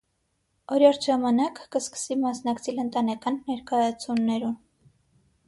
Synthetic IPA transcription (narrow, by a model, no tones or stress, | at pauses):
ɔɾjɑɾt̪ʰʒɑmɑnɑkːəskə̥simɑsnɑkt͡sʰɛlənt̪ɑnɛkɑnːɛɾkɑjɑt͡sʰunːɛɾun